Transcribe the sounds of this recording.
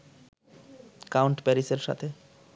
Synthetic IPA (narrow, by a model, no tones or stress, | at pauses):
kawɳʈpɛɾiseɾʃa̰t̪ʰe